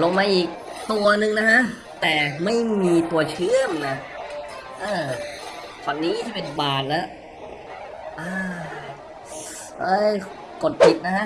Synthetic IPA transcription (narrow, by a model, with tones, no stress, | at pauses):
lo˧mːaː˧ʔiː˨˩k̚t̪u˧ɐnɯ˧ŋna˦˥kʰa˦˥ʔ | t̪ɛː˨˩ma˥˩jmiː˧t̪u˧ɐt͡ɕʰɯ˥əmna˧˩ | ʔɤː˧˩ | fɔ˨˩nːiː˦˥t̪ʰi˥˩pe˧nbaː˨˩t̪̚lɛ˦˥˩ | ʔɤː˧˩ | ʔɤː˧˥˩ | ko˨˩t̪̚pʰi˨˩t̪̚na˦˥kʰa˦˥ʔ